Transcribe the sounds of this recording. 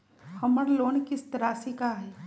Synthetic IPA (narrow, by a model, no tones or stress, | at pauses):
hɐməɾloːnkɪst̪ɾaːsikaɦɛː